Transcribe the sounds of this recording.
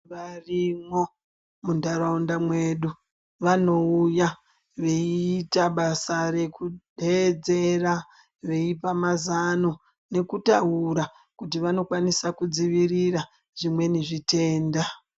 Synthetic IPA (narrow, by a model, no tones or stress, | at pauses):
ʋarimo̞ | mundaɾondamwe̞ɗu | ʋano̞uja | ʋe̞iːtaɓasaɾe̞kuɗed͡ze̞ra | ʋe̞ipamazano | ne̞kutaɦuɾa | kutiʋano̞kwanisakud͡ziʋirira | ʐ̥imwe̞niʐite̞ːnda